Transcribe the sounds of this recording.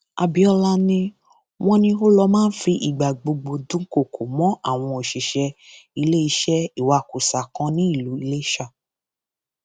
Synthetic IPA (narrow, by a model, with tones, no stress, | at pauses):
a̰˨bi˨˦ɔ˧la˧nĩ˧ | w̃ɔ̃˧nĩ˧o˦lɔ˧mãː˦n̩˦fi˧ʔi˨ɡ͡ba˨ɡ͡bo˧ɡ͡bo˧dũ˨˦ko˦˨kʰo˨mɔ̃˨˦ʔa˦˨w̃ɔ̃˧o˨ʃi˨ʃɛ˧i˧le˦i˧ʃɛ˦i˦˨wa˧˨ku˨sa˨kã˨˧nĩ˦i˦˨lu˨˦i˧le˦i˦ʃa˦˨